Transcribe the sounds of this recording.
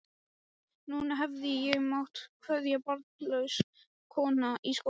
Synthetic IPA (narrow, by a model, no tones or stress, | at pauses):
nuːnaɦɛvðɪjɛɣmawht̪kʰvœðjapɔɾt̪lœɥs | kʰɔːnaʔisko